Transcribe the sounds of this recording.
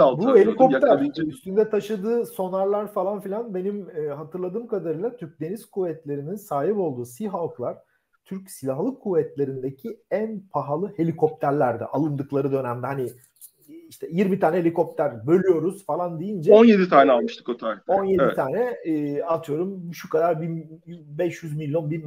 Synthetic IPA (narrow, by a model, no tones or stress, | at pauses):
abuhelʲiko̞pt̪ʰæɾyst̪ʰynd̪ɛt̪ʰaʃɯd̪ɯːso̞naɾlˠaɾfalˠanfilʲanbe̞nimːɦat̪ʰɯɾlˠad̪ɯːmkad̪aɾɯjlˠat̪ʰyɾc̚d̪e̞niz̥kʰuvɛt̪lʲe̞ɾininsaːɦipo̞lˠd̪uːsiɦalˠklˠaɾ̥ | t̪ʰyɾcsilʲaɦlˠɯkʰːuvɛt̪lʲe̞ɾind̪ecʰiænpʰaɦalˠɯhe̞lʲikʰo̞p̚t̪ʰæɾlʲæɾd̪ɛ̰ʔalˠɯnd̪ɯklˠaɾɯd̪ø̞næmd̪ɛhani | iʃt̪ʰɛjiɾmit̪ʰaːnɛlʲiko̞p̚t̪ʰæɾbø̞lʲyjo̞ɾuz̥falˠand̪ijind͡ʒɛonje̞d̪it̪ʰaːnɛalˠmɯʃt̪ʰɯ̥kot̪ʰajo̞njed̪it̪ʰaːnɛːat̪ʰɯjo̞ɾumʃukad̪aɾbinbɛʃjyzmilʲijo̞nbin